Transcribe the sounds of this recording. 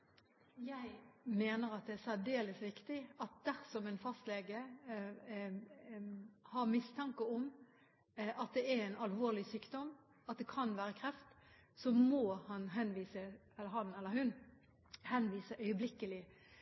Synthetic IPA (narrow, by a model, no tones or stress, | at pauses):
jæɪmeːnəɾɑt̪̚d̪ɛæsæd̪eːləsʋɪkt̪ɪɑt̪̚d̪æɾsɔmɛɪnfɑst̪leːɡə | hɑɾmɪst̪ʰɑŋkəʊm | ɑt̪̚d̪ɛæɾæɪnɑlʋoːʁlɪsyːkd̪ɔm | ɑt̪̚d̪ɛkʰɑnʋæːɾəkʰɾɛft̪sɔmoːhɑnɦɛnʋiːsə | ɛlːəɾhɑnɛlːəɾhʉn | hɛnʋiːsəʔœʏəblɪkːəlɪ